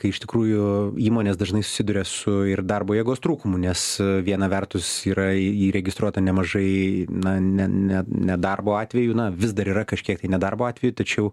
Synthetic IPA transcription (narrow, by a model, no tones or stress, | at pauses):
kɐɪɪʃt̪ʲɪkɾuːjʊiːmoːnʲeːsd̪ɐʒnɐɪsʊ̥sʲɪd̪ʊɾʲeːsʊɪrd̪ɐrboːjɛɡoːst̪ɾuːkʊmʊnʲɛsʋʲiɛnɐʋʲɛrt̪ʊsiːɾɐiːɾʲɛɡʲɪst̪ɾuɔt̪ɐnʲɛmɐʒɐɪnɐnʲɛnʲɛnʲɛd̪ɐrboːɑːt̪ʲʋʲɛjuːnɐʋʲɪzd̪ɐɾiːɾɐkɐʃʲkʲiɛk̚t̪ɐɪnʲɛd̪ɐrboːɑːt̪ʲʋʲɛjʊt̪ɐt͡ʃʲɛʊ